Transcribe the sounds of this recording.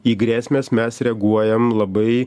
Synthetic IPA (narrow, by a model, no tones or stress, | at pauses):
iːɡɾʲæːsʲmʲeːsmʲɛsɾʲɛɡuɔjɛmlˠɐbɐɪ